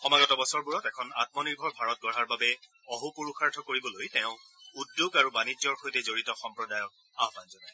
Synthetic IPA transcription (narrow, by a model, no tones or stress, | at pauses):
xɔmaɡɔtɔbɔsɔɹbuɹɔtɛkʰɔna̰t̚mɔniɹbʱɔɹbʱaɹɔt̚ɡɔɹaɹbabɛ | ɔɦupuɹuxaɹdʱɔkoɹibɔlojtɛʊ̃ | udjoɡaɹubanid͡ʒɔɹxojtɛzoɹitɔxɔmpɹɔdajɔk | aɦbanzɔnaj